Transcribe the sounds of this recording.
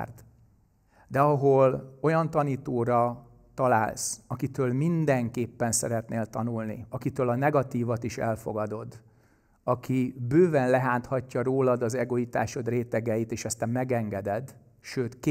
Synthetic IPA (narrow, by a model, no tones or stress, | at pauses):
rt̪ | d̪ɛɒɦo̞lo̞jɒnt̪ɒniːt̪oːɾɒ | t̪ɒla̰ːlsɒkit̪øːlmind̪ɛŋkeːpːɛnsɛɾɛt̪neːlt̪ɒnulnḭɒkit̪øːlɒnɛɡɒt̪iːvɒt̪iʃɛ̰lfo̞̰ɡɒd̪o̞d̪ | ɒkʰibøːvɛnlɛɦaːnt̪hɒcːɒɾoːlɒd̪ɒzɛɡo̞it̪a̰ːʃod̪reːt̪ɛɡɛjit̪eːʃɛst̪ɛmmːɛɡɛŋɡɛd̪ɛd̪ | ʃøːt̪k